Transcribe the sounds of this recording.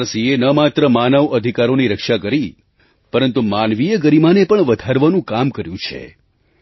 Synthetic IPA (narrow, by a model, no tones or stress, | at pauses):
ɾsienəmat̪ɾəmanəʋəd̪ʱikaɾoniɾəkʂakəɾi | pəɾənt̪umanʋijəɡəɾimanepəɳʋəd̪ʱaɾʋanũkamkəɾjũt͡ʃʰḛ